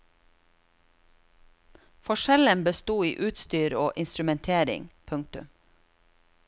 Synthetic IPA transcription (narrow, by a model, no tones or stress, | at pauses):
fɔʃɛlənbəst̪uːiːʔʉːt̪st̪yːɾoːʔɪnst̪ɾʉmɛnt̪ʰeːɾɪ̰ŋpʰʉŋk̚t̪ʉ̰m